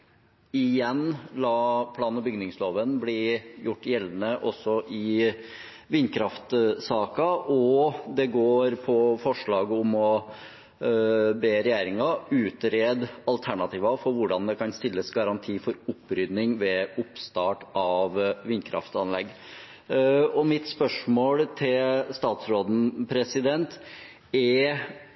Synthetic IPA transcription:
ɪjɛnlɑːpʰlɑːnnɑbʏɡnɪŋsloːʋənblijʊʈːjɛlːnəʔɔsːɔʔɪ | ʋɪnːkʰɾɑft̪sɑːkɑʔɔd̪ɛɡoːɾpʰɔfɔʂɭɑːɡəʊmɔ | beːɾɛjæːɾɪŋɑʉːt̪ɾeːd̪ɑlt̪ʰæɳɑt̪ʰiːʋɑfɔɾʋʊɖɑnd̪ɛkɑnst̪ɪlːəsɡɑɾɑnt̪ʰiːfɔɾʊpːɾʏd̪nɪŋʋɛʊpst̪ɑːʈɑʋʋɪnːkʰɾɑ̰ft̪ɑnlɛɡː | ɔmɪt̪spœʂmoːlt̪ʰɪlst̪ɑːt̪sɾoːd̪n̩pʰɾɛsɪd̪ɛnt̪ | ɛ

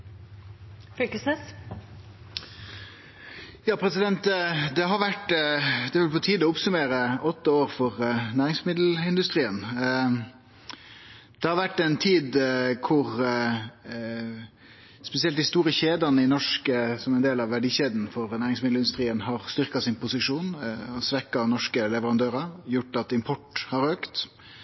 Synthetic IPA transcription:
fykəsnes | jɑːpʰɾɛsɪd̪ɛnt̪d̪ɛɦɑɾʋæʈd̪ɛʋɪlpʰɔt̪ʰiːd̪ɔʊpsʉmeːɾəʔɔt̪ːəoːʁfɔʁnæːʁɪŋsmɪd̪l̩ɪnd̪ʉst̪ʁiːən | d̪̥ɛhɑɾʋæʈːɛɪnt̪ʰiːd̪kʰʊʁ | spɛsɪɛlt̪ɪst̪uːɾəçeːd̪ɑnəɪnɔʂkəsɔmɛnd̪eːlɑʋːæɖiːçeːd̪n̩fɔɾnæːɾɪŋsmɪd̪lɪnd̪ʉst̪ʁiːənhɑʁst̪ʏʁkɑsɪnpʊsɪʂuːnɔsʋɛkɑnɔʂkəlɛʋəɾɑnd̪øːɾɑjʊʈːɑt̪ɪmpʰɔʈhɑɾøːkt̪

